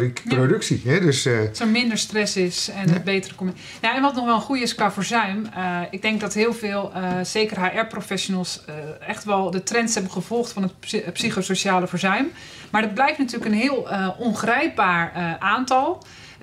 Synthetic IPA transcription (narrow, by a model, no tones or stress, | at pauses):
rikprodɵksiɦɛdøssəmɪndəɹstrɛsɪsɛnbeːtərəkom | jaɛnʋɔtnɔxʋɛlˠənχujɪskafoːɹzœɥməɪɡ̚dɛŋk̚dɔtɦɪːəlˠvɪːlˠz̥eːkərɦaʔɛɹprofɛsjonəlˠsəɛxtʋɛlˠdətrɛntshɛbənχəv̥ɔlˠxtfɔnətpsiχosoʃaːləfəɹzœɥm | maɹdɔt̚blɛjftnatyːləkənɦɪːlˠʔonχrɛjp̚baːɹəʔaːntɔlˠ